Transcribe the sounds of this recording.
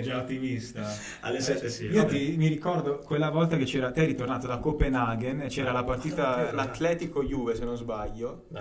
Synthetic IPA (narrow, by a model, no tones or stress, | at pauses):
d͡ʒaot̪ːimist̪a | a̰lːesɛiot̪imirikɔrd̪okwelːavɔlt̪aket͡ʃːɛːɾat̪ɛjɾit̪ornaːt̪od̪akopenaɡent͡ʃɛːɾalapart̪iːt̪alat̪ːlɛːt̪ikojuːvesenozbaʎːo